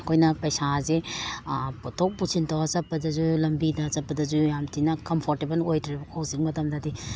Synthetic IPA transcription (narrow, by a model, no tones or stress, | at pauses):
kʰojnɐpɐjsaze | potʰok̚pusʰintʰawasɐpːɐdɐzulɐmbidɐsɐpːɐdɐzujamtinɐkɐmpʰoɾtebɐlojtʰɾibɐowsiŋmɐtʰɐmdɐdi